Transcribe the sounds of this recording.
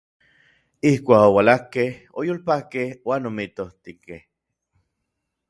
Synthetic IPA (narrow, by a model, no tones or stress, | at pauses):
ihkʷaːkowalahkeh | ojoːlpakehwaːnomit̪oht̪ikeh